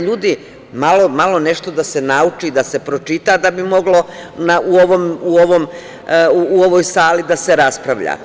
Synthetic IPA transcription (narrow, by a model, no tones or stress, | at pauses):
ʎuːd̪i | malo̞malˠo̞ne̞ʃt̪o̞d̪ase̞naut͡ʃid̪ase̞pɾo̞t͡ʃit̪ad̪abimo̞ɡlo̞naʔuoʋomuoʋom | uːoʋo̞jsaːlid̪aseɾaspɾaʋʎa̰